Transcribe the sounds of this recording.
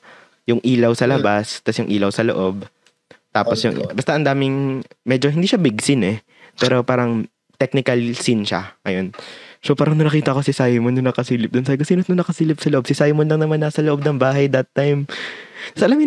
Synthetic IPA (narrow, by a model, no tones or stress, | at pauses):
jʊŋʔiːlɐwsɐlɐbast̪ɐsjʊŋʔiːlɐwsɐloʔo̞b | t̪aːposjʊ̰ŋbɐst̪ɐʔɐnd̪aːmɪŋmɛd͡ʒoɦɪnd̪iːʃabɪɡsɪnɛ | pɛːɾo̞paːɾɐŋ | t̪ɛk̚nɪkɐlsinʃa̰ŋɐjonsopaːɾɐŋnɐnɐkiːt̪ɐʔkosɪsajmonːɐnɐkɐsiːlɪp̚d̪ʊnsaːjkosiːnot̪nʊnɐkɐsiːlɪp̚sɐloʔobsɪsajmonlɐŋnɐmanːasɐloʔo̞b̚nɐŋbaːɦɐjd̪ɐt̪ːajmt̪ɐsʔɐlɐmɪ